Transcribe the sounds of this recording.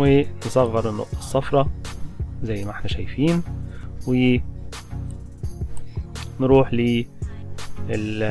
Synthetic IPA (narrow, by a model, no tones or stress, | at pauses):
wɪnsˤɑɣːɑɾˤɪnːo̰ʔt̪e̥sːɑfɾˤɑ | zæjːmæʔħnæʃæjfiːnwɪ | nɾuːħliː | ɪl